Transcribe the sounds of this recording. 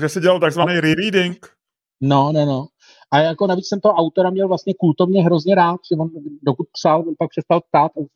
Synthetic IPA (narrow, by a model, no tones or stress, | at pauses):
ʒɛsɪɟɛlalt̪aɡzvanejɾɪɾidɪŋk | nonɛno | ʔajako̞navit͡ssɛmt̪oɦoʔawt̪o̞ɾamɲɛlvlast̪ɲɛkult̪o̞vɲɛɦɾo̞zɲɛɾaːt̪̚ʒ̥ɛvo̞ndokut̪̚psalvonpak̚pr̥ɛst̪alp̚t̪at̪ʔa